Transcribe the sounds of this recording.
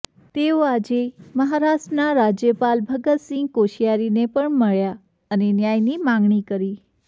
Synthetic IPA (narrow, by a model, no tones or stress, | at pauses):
t̪eoad͡ʒeməɦaɾaʃʈənaɾad͡ʒjəpalbʱəɡət̪sɪ̃ŋɡkoʃijaɾinepəɳməɭja | ənenjajnimãŋɡɳikəɾi